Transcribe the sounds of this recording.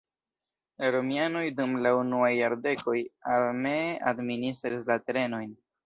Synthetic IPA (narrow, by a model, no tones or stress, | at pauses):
laɾo̞miano̞jdumlaunuajːaɾde̞ko̞jalmeadministɾis̬late̞ɾe̞no̞jn